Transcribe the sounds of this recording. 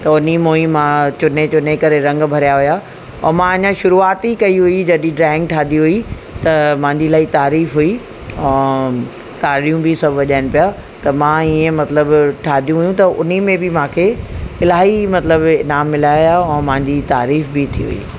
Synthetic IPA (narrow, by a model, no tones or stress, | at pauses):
t̪ɐʊnimoimãːt͡ɕʊnet͡ɕʊnekɐɾeɾɐ̃ŋɡbʱɐɾijaɦʊja | ɔ̰ːmãɐɲãʃʊɾuaːt̪ikɐiɦuid͡ʑɐɗĩɖɾaːɪ̃ŋɡ̚ʈʰaːd̪iɦʊi | t̪ɐmãɲd͡ʑilaːit̪aːɾiːfɦui | ɛ̃ː | t̪aːɾijũbɪsɐbʱʋɐʄaːɪñpija | t̪ɐmãːiẽmɐt̪ləbʈʰaːd̪ʱijũɦʊjũt̪ɐʔʊ̰n̤imẽbɪmãːkʰeːɪlaːɦimɐt̪ləbɪnaːmːɪlaːjaɛ̃ːmãɦɲd͡ʑit̪aːɾiːfbɪt̪ʰiɦṵḭː